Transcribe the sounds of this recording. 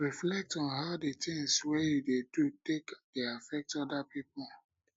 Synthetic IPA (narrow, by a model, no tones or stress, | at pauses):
ɹiflɛk̚tɔ̃nɦaʊdetĩŋswejudedutekdeafɛk̚tɔdapipɔl